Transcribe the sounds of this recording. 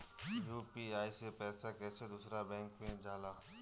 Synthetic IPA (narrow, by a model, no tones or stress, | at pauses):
juːpiaːisepɛːsakɛːsed̪ʊsɾabɛ̃ːŋkmẽd͡ʒaːlaː